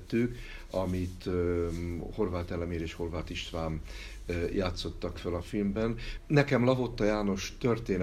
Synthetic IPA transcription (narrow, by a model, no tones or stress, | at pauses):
t̪ːyːk | ɒmit̪ | ho̞rvaːt̪ɛlɛmeːɾeːʃho̞rvaːt̪iʃt̪vaːm | jaːt̪so̞t̪ːɒkfølɒfilmbɛnnːɛkɛmlɒɦo̞t̪ːɒjaːno̞ʃt̪ørt̪eːn